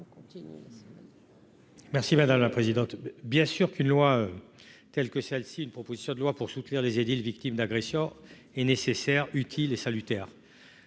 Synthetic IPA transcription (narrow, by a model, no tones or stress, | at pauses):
mɛʁsimad̪amlapχezid̪ɑ̃t̪bjɛ̃syʁkynlwaøt̪ɛlkəsɛlsiːnpχɔpozisjɔ̃d̪əlwapuʁsut̪niʁlezed̪ilvikt̪imd̪aɡʁesjɔ̃ | ɛnesesɛʁyt̪ʰilesalyt̪ɛːʁ